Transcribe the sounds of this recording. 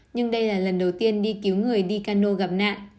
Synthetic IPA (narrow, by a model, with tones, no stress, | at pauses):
ɲɨ˧ŋɗə˧jlaː˨˩lə˨˩nɗə˨˩wt̪i˧ənɗi˧ki˨˦wŋɨ˨˩əjɗi˧kaː˧no˧ɣa˨˩p̚na̰ː˧˨ʔ